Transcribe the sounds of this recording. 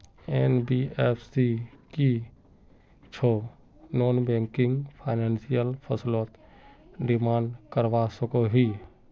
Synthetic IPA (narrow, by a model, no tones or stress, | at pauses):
enbiepʰsiki | t͡ʃʰo | noːnbɛ̃ŋkɪŋɡpʰaɪneːnsijəlpʰəslɔːt̪ɖɪmaːɳɖkəɾʋasəkoɦi